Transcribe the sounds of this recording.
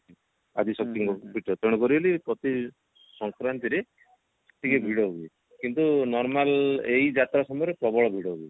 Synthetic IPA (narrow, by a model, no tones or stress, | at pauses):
adisɔk̚t̪iŋkɔpiʈɔt̪ɔɽ̃ɔkɔɾibelipɾɔt̪i | sɔŋkɾant̪iɾe | sɔk̚t̪ikebʱiɽɔɦobi | kint̪unɔɾmalejd͡ʒat̪ɾasɔmɔjɔɾepɾɔbɔɭɔbʱiɽɔɦoɡi